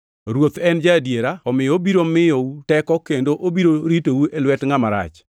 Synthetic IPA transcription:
ɾwot̪ɛnd͡ʒadjeɾaɔmɪjobiɾomɪjɔutɛkɔkendoʔobiɾoɾiteuelwɛtŋamaɾa̰t͡ʃ

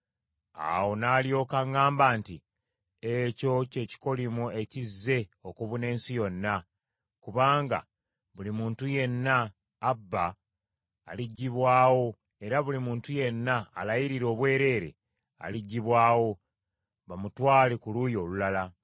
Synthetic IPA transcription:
a̰wo̞naːljo̞ːkaŋaːmbaːnti | eco̞ce̞ːci̥ko̞limue̞cizːe̞o̞kuβune̞ːnsijo̞nːa | kuβaːŋɡa̰ | βulimuːntuje̞nːaː | bːaː | liɟːiβwaːwo̞ | e̞ɾaβulimuːntuje̞nːa̰ːlajiɾiɾo̞ːβwe̞ːɾe̞ːɾe̞̰ | a̰liɟːiβwaːwo̞ | βamutwaːlekulujo̞ːlulala

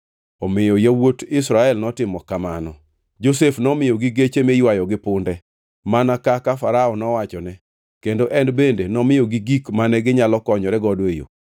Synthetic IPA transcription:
ɔmɪjɔjawotɪsɾaɛlnɔtɪmɔkamanɔ | d͡ʒosefnɔmɪjɔɡiɡet͡ʃemejwajɔɡɪpʊndɛ | manakakafaɾaɔnɔwat͡ʃɔnɛ | kendoʔɛndbendenɔmɪjɔɡiɡikmanɛɡɪɲalɔkɔɲɔɾɛɡɔdwejo̰

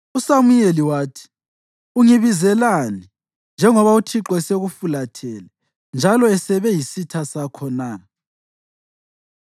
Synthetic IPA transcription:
usamujeliwaːtʰi̥ | uŋiβizɛlani | nd͡ʒʱɛŋɔβautʰiǁwɛseɣufulatʰɛlɛ | nd͡ʒʱalɔɛsɛβɛjisitʰasakʰɔna

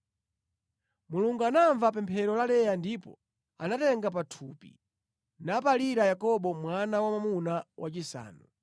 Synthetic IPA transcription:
muluŋɡuanaɱvap̬ɛmpʰɛɾɔlalɛjandipɔ̰ | anatɛŋɡap̬atʰupḭ | napaliɾajakɔɓɔmwanawamamunawat͡ʃisa̰ːnu

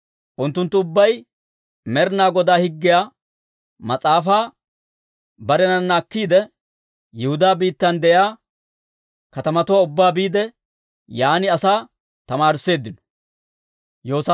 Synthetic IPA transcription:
ʔʊnt̪ːʊnt̪ːʊʊbːɐj | mɛɾnaːɡɔd̪aːhɪɡːɪjaː | mɐt͡sʼaːfaː | bɐɾɛnɐnːaːkːiːd̪ɛ | jɛhʊd̪aːbiːt̪ːɐnd̪ɛjaː | kɐt̪ɐmɐt̪ʊwaːʊbːaːbiːd̪ɛ | jaːnɪɐsaː | t̪ɐmaːɾɪsːe̞ːd̪ːɪnɔ̥ | joːs

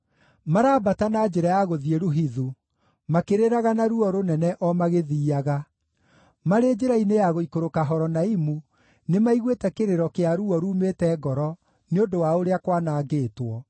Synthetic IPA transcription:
maɾaːbatanaːd͡ʒeɾajaɣoðieɾuɦiðu | makeɾeɾaɣanaɾuɔɾonɛnɛʔɔmaɣeðiːaɣa | maɾeːd͡ʒeɾainejaɣoikoɾokaɦɔɾɔnaimu | nemaiɣwetɛkeɾeɾɔkeaɾuɔɾuːmeːtɛːɡɔɾɔ | neondowaoɾeakwanaːɡeːtwɔ

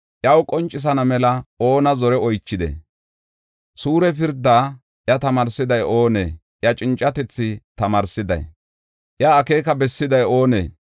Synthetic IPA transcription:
ʔjɐwkʼɔnt͡ʃʼːɪs̬ɐnɐmɛlɐo̞ːnɐzɔɾɛɔjt͡ʃːɪd̪ɛ̰ | suːɾɛpɪɾd̪ːaː | ʔjɐt̪ɐmɐɾsɪd̪ɐjo̞ːnḛː | ʔjɐt͡ʃʼɪnt͡ʃʼːɐt̪ɛt͡sːɪt̪ɐmɐːɾsɪd̪ɐ̰j | ʔjɐːke̞ːkɐbɛsːɪd̪ɐjo̞ːnḛː

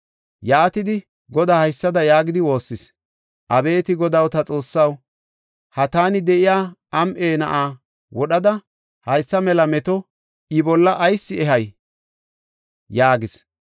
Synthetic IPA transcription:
jaːt̪ɪd̪ɪ | ɡɔd̪aːhɐjsːɐd̪ɐjaːɡɪd̪ɪwo̞ːsːɪs | ʔɐbe̞ːt̪ɪɡɔd̪ɐwt̪ɐt͡sʼo̞ːsːɐw | hɐt̪aːnɪd̪ɛʔɪjaːɐmʔeːnɐʔaː | wɔɗɐd̪ɐ | hɐjsːɐmɛlɐmɛt̪ɔ | ʔɪbɔlːɐʔːjsːɪɛɦɐj | jaːɡɪs

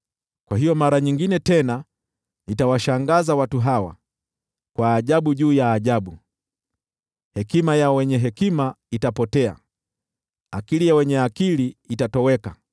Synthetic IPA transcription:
kwaɦijɔmaɾaɲiŋɡinɛtɛna | nitawaʃaŋɡazawatuɦawa̰ | kwaːʄaɓuʄuːjaːʄaɓu | hɛkimajawɛɲɛɦɛkima | itapɔtɛa̰ | akilijawɛɲɛakiliːtatɔwɛka

